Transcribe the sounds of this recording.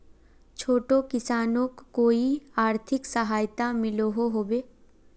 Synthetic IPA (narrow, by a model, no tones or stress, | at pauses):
t͡ʃʰoːʈokɪsaːnõkːoːiaːɾt̪ʰɪksəɦaːjt̪amɪloɦoɦoːbeː